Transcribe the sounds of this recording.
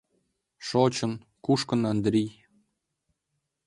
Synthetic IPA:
ʃot͡ɕə̆n | kuʃkə̆nɑnd̪ɾij

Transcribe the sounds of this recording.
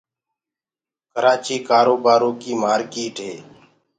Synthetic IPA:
kəɾaːt͡ʃiːkaːɾoːbaːɾõːkiːmaːɾkiːʈɦeː

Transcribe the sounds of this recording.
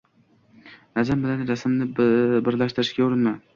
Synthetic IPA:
nad͡ʒambɪlanɾasmnɪbɪɾlaʃt̪ɪɾɪʃkʲauɾɪnman

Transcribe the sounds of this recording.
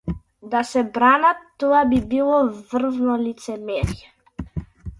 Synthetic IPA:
d̪asɛbɾanat̪ːɔabibilˠɔvr̩znɔlit̪sɛmɛɾijɛ

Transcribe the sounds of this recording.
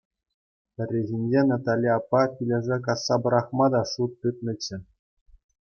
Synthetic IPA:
pʲɘ̆rʲːeʑinʲd͡ʑenɑt̪alʲːiɑpːɑpʲilʲĕʐek̬ɑsːɑbɤ̆ɾɑχmɑd̪ɑʂut̪̚ːɯt̪̚nɤ̆t͡ɕːɘ̆

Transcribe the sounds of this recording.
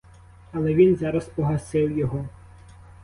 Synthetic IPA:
ɐlˠɛʋʲinzɑɾɐspɔɦɐsɪwjɔɦɔ

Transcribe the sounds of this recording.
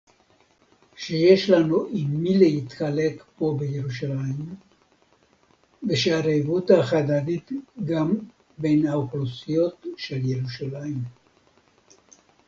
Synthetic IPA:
ʃejeʃlanuʔimːilehit̪χalekpo̞beje̞ʁuʃalaim | beʃeaɾevut̪haχad̪anit̪ɡam | be̞jnhaoχlusijo̞t̪ʃelje̞ʁuʃalaim

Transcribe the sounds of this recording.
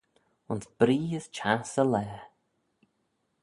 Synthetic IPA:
ʊnsb̥ɾiːəst͡ʃʰasəlɛː

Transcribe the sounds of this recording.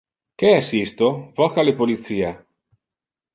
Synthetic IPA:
keasist̪ofɔxalepolit̪siːa

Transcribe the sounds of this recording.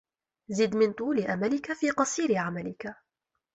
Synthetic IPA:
zɪd̪mɪnt̪ˤuːlɪʔamalɪkafiːqɑsˤiːɾɪʕamalɪka

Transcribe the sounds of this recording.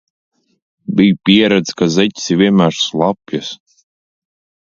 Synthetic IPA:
bʲijpʲiɛɾad̪skazɛt̪ʲsʲivʲiɛmʲæʃslˠapjas

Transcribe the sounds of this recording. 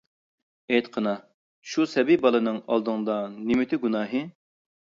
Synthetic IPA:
ejt̪qʰənɑ | ʃusɛbibɑlˠɨnɨŋɑ̰lˠd̪ɨŋd̪ɑnɪmɪt̪ʰɪɡunɑːɦɨ

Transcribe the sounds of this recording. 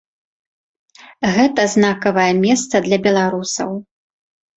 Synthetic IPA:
ɣɛt̪ɐznakɐvɐjɛmʲɛst̪sɐd̪lʲɐbʲɛlˠaɾusɐ̰w

